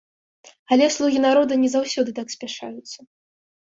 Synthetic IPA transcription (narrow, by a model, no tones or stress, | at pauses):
ɐlʲɛslˠuɣʲinaɾɔd̪ɐnʲɛzawsʲɔd̪ɨt̪aksʲpʲaʂa̰jut̪sːɐ